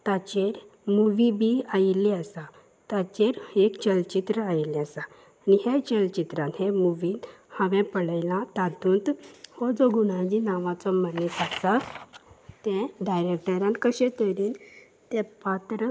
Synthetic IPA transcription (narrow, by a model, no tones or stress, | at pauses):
t̪at͡ɕeɾ | muʋibiailiəsa | t̪at͡ɕeɾekt͡ɕəlt͡ɕit̪ɾəajliəsaː | niɦet͡ɕəlt͡ɕit̪ɾãnt̪hemuʋiːhəʋɛ̃pəɽajlãt̪ad̪ũːnt̪hɔd͡zɔɡuɽ̃ãd͡ʑinaʋãt͡sɔmənit̪asa | t̪ɛ̃ɖajɾekʈəɾjãnkəɕẽt̪əɾin | t̪ɛ̃pat̪ɾə